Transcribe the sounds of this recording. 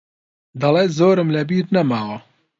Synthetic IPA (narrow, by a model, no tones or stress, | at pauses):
d̪ɐleːzoːɾɨmlɛbiːɾnɐmaːwo